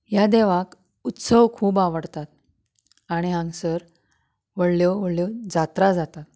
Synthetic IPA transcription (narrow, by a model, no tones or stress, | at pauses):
jad̪eʋak | ut̪səʋkʰuːbaʋəɽt̪at̪̚ | aɽ̃iɦãŋɡsəɾ | ʋəɽljoʋəɽljod͡zat̪ɾad͡zat̪at̪